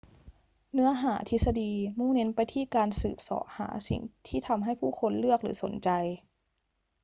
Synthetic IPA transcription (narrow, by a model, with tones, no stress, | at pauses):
nɯ˧˥ɐɦaː˩˦t̪ʰi˧sa˧diː˧muː˥˩ne˧˦˥npa˧jt̪ʰiː˥˩kaː˧nsɯː˨˩p̚sɔ̰ː˩˦ʔha̰ː˩˦sḭ˨˩ŋt̪ʰiː˥˩t̪ʰa˧mɦa˥˩jpʰuː˥˩xʰo˧nlɯ˥˩ək̚lɯ̰ː˩˦so˨˦nt͡ɕa˧j